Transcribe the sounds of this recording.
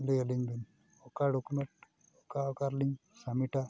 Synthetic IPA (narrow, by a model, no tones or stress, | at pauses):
lieliŋbin | okaɖokumeɳʈ | okaokaɾliŋsɐmiʈa